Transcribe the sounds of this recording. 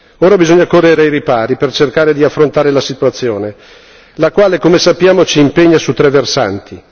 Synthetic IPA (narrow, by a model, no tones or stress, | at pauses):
oːɾabizoɲːakorːeɾejɾipaːɾipert͡ʃerkaːɾed̪iafːɾont̪aːɾelasit̪uat̪sːjoːne | lakwaːlekomesapːjaːmot͡ʃiːmpeɲːasut̪ːɾɛvːersa̰nt̪i